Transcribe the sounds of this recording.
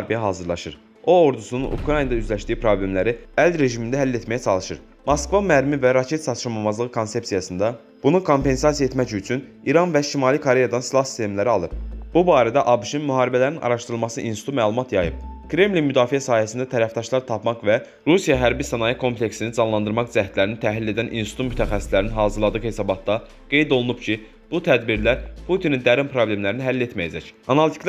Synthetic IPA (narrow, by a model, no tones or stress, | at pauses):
ɾbijɦɑːzɯɾlˠɑʃɯɾ | o̞oɾd̪usununʔṵkʰɾɑnɑd̪ɑyzlæʃt̪iːipʰɾo̞blʲe̞mlæɾiælɾe̞ʒimind̪æɦælːe̞t̪mæjæt͡ʃʰɑlˠɯʃɯɾ | mɑskvɑmæɾmivæɾɑcʰe̞t̪sɑt̪ʃɯɾmɑmɑzlˠɯʁɯkʰo̞nse̞psijɑsɯnd̪ɑ | b̥unukʰo̞mpe̞nsɑsijɑae̞t̪mæcyt͡ʃʰyn | iɾɑnvæʃimɑlˠikʰoɾe̞jɑd̪ɑnslˠɑsi̥st̪ʰe̞mlæɾiɑlˠɯpb̥ubɑːɾæd̪æʔɑbuʃinmyɦɑːɾibælæɾinʔɑ̰ɾɑʃt̪ɯɾɯlˠmɑsɯʔinsi̥t̪ʰumæːlˠumɑt̪jɑjɯp̚kɾe̞mlinmyd̪ɑːfijæsɑːhæsind̪æt̪ʰæɾæfd̪ɑʃlˠɑɾt̪ʰɑpmɑqvæ | ɾusijɑɦæɾbisɑnɑjikʰo̞mpʰle̞ksinizɑnlˠɑnd̪ɯɾmɑqd͡ʒæht̪læɾinit̪ʰæɦlilːe̞d̪ænʔḭnsit̪umyt̪ʰæxæsːislæɾninɦɑːzɯɾlˠɑd̪ɯɣhe̞sɑbɑt̪d̪ɑ | ɡ̥e̞jd̪o̞lˠunubcʰi | b̥ut̪ʰæd̪biɾlæɾpʰut̪ʰinind̪æɾimpʰɾo̞blʲe̞mlæɾiniɦælːe̞t̪mæjæd͡ʒæcɑnɑlt̪ʰi̥k